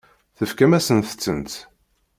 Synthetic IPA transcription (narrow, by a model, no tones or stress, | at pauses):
θəfkæmæsənθə̥t͡sːənt̪